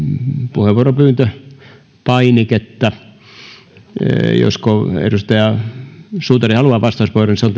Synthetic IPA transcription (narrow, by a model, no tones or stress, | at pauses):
puheʋuoropyːnt̪ø | pɑiniket̪ːæ | jo̰skoḛrust̪ɑjɑ | suːt̪ɑrihɑluɑːʋɑst̪ɑˑuspoironiseolt̪